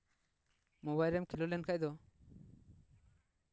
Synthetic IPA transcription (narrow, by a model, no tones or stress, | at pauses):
mɔβajɾɛmkʰilɔlɛnkʰac̚d̪ɔ